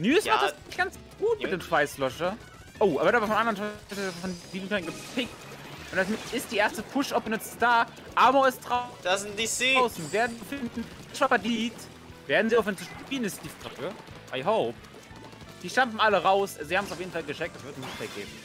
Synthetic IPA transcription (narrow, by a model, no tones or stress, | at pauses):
nyːɪsmaχtasɪçɡ̥ant͡s | ɡ̥uːtmɪd̥eːmʃv̥aɪslɔʃɐ | ʔoʊʔabɐdaːbɐfɔnmʔandɐʁənʃɔffɔnliːbn̩kʰœnɡɪp̚tfʰɪk | ʔʊntd̥asmɪst̚d̥iːʔeːɐstəpʰʊʃɔpbənʏt͡ssd̥aː | ʔaɐmoɪstd̥ʁḁ | aʊsn̩veːɐdn̩zifɪndn̩ | ɪʃfafaɐdiːt | veːɐdn̩ziaʊfɛnt͡supiːənɪstd̥iːfʁʏkə | ʔaɪɦoʊp̚ | d̥iːʃtamfm̩ʔaləʁaʊsazihaːbmsaʊfjeːdn̩falɡəʃɛk̚td̥asvɪɐtnsnɪfɛɡ̥ḛːb̚m̩